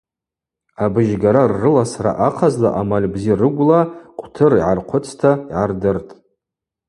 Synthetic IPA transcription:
abɨʒɡaɾarːɨlasaɾa̰ʔaqʰazla̰ʔamalʲbzirɨɡʷlaqʷʼtʰɨriʕarqʷʰʊt͡sʰtʰaiʕardɨrtʼ

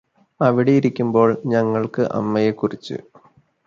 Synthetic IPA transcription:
ɐʋiɽejiɾikʲːumbo̞ːɭɲɐŋːɐɭkɨʔɐ̰mːɐjekːurit͡ɕːɨ̰

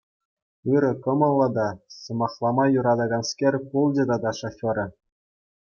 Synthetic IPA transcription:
ɯɾɤ̆kɤ̆mɤ̆lˠːɤd̪ɑsɤ̆mɑχlˠɑmɑjuɾɑd̪ɑɡɑnskʲerʲpulˠd͡ʑʲed̪ɑd̪ɑʂofʲoɾɤ̆

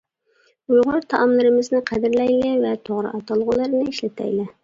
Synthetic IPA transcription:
ujʁʊɾt̪ʰɑʔɑmlˠɨɾɨmɨznɪqʰæd̪ɪɾlɛjlɪvɛt̪ʰoʁɾɨ̰ʔɑt̪ɑlˠʁʊlˠɨɾnɨiʃlɪt̪ʰɛ̰jlɪ

